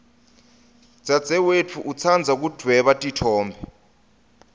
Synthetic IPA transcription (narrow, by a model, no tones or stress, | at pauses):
d͡z̥ʱʼḁd͡z̥ʱɛwet͡fʰuʔut͡sʰand͡zʱak̬ud̥ʱwɛɓatʼitʰɔːmbʱɛ